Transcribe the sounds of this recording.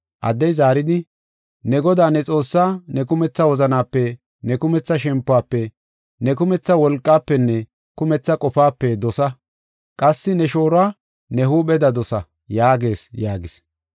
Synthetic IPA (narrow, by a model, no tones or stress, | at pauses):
ʔɐ̰d̪ːɛjzaːɾɪd̪ɪ | nɛɡɔd̪aːnɛt͡sʼo̞ːsːaːnɛkʊmɛt͡sːɐwɔzɐnaːpːɛ | nɛkʊmɛt͡sːɐʃ̬ɛmpːʊaːpːɛ | nɛkʊmɛt͡sːɐwɔlkʼːaːpːɛnːɛ | kʊmɛt͡sːɐkʼɔfaːpːɛd̪ɔsɐ | kʼɐsːɪnɛʃo̞ːɾaː | nɛɦuːɓɛd̪ɐd̪ɔsɐ | jaːɡe̞ːsjaːɡɪs